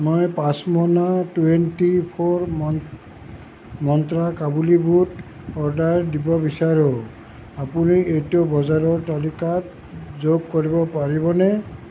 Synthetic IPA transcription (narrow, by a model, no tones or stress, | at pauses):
mɔjpãsmɔnatuentipʰoɹm | mɔnt̪ɹakabulibut | ɔɹdaɹdibɔbisaɹõ | apuniejtɔbɔzaɹɔɹtalikat̚ | zoɡ̚koɹibɔpaɹibɔnɛ